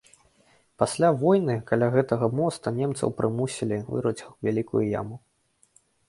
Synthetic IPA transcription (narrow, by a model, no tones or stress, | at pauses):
pasʲlʲavɔjnɨkalʲaɣɛt̪ɐɣɐmɔst̪ɐnʲemt̪sɐ̰wpɾɨmusʲilʲivɨ̰ɾɐt͡sʲwvʲalʲikujuja̰mu